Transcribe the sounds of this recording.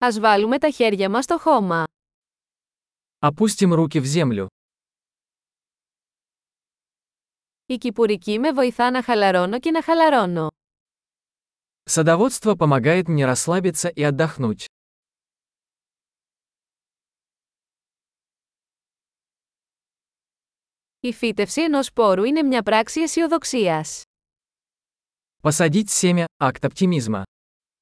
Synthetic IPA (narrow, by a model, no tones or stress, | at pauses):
ɐzvɐlume̞t̪ɐçe̞ɾʝɐmɐst̪o̞xo̞mɐ | ɐpusʲtʲɪmɾuk̬ʲɪvzʲe̞mlʲʊ̰ | icipuɾicime̞vo̞iθɐnɐxɐlɐɾo̞no̞ce̞nɐxɐlɐɾo̞no̞ | səd̪ɐvo̞t̪st̪vəpəmɐɡajɪt̪mnʲeɾɐsːlˠabʲɪt̪səʔiɐd̪ːɐxnutʲ | ifit̪e̞fsie̞no̞spo̞ɾuine̞mɲɐpɾɐksiesio̞ðo̞ksiɐs | pəsɐdʲitʲsʲemʲɪakt̪ɐp̚tʲimʲizmə̰